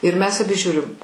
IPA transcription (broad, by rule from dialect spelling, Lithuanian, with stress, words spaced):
ɪr ˈmʲɛs ɐˈbʲɪ ˈʒʲuːrʲɪm